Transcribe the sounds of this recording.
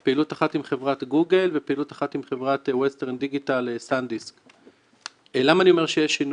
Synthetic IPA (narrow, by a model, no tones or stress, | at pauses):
peilutaχatimχe̞vʁat̪ɡuɡe̞lvepeilutaχatimχe̞vʁat̪westeʁndiɡitalsandisk | elamaːnio̞me̞ʁʃejeʃin